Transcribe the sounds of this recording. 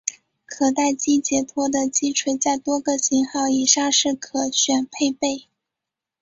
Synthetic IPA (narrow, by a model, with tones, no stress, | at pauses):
kʰɤ˨˩t̪a˥˩ɪt͡ɕi˥t͡ɕjɛ˧˥t̪ʰwɔ˥d̪ə˨t͡ɕi˥ʈ͡ʂʰwe˧˥ɪt͡sa˥˩ɪt̪wɔ˥ɡə˨ɕi˧˥ŋxɑ˥˩ʊi˨˩ʂa˥˧ʂɻ̩˥˩kʰɤ˨˩ɕɥɛ˨˩npʰe˥˧ɪpe˥˩ɪ